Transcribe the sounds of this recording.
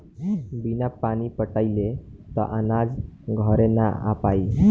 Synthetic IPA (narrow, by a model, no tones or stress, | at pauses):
binapañipəʈailet̪ɔ̰ʔənad͡zɡʱɔɾena̰a̰pai